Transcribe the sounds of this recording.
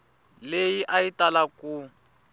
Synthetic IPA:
lejiʔaitalaku

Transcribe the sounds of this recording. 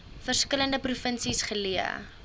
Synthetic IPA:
fərskələndəprufənsisχəliə̰

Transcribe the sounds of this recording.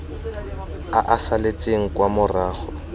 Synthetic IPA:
aʔasalet͡sʼeŋ̩kʼwamʊraːɣɔ

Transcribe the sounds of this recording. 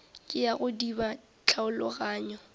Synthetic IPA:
kʼɪjaɣʊdiba | t͡ɬʰaʊlʊɣaːɲɔ

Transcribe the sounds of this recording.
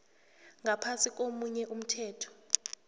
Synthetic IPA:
ŋɡapʰasik̬ʼomuɲɛʔum̩tʰɛːtʰɔ̥

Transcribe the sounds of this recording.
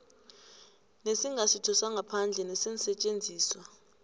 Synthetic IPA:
nesiŋʱasitʰɔsaŋɡʱapʰand͡ɮʱɛnesin̩sɛt͡ʃʼend͡zʱiːswa

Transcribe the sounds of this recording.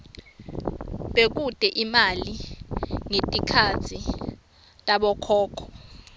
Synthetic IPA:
ɓek̬ud̥ʱʼɛʔimali | ŋetʼikʰat͡sʰi | tʼaɓɔkʰɔːkʰɔ̥

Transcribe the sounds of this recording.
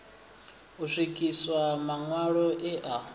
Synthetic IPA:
uʂikʼiswamaŋwaɺɔʔɛʔa

